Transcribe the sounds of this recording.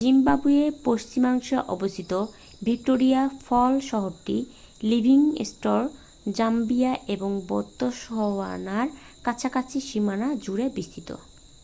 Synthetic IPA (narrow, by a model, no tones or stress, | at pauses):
d͡ʑimbabuepoʃt͡ɕimaŋʃeʔɔ̰bost̪ʰit̪o | bʱik̚ʈoɾiafɔlʃɔɦoɾʈi | libʱiŋḛsʈoɾ | d͡ʑambijaʔeboŋbɔt̪ːoʃɦɔa̰naɾ | kat͡ɕʰakat͡ɕʰiʃimanad͡ʑuɾebist̪ʰit̪o̰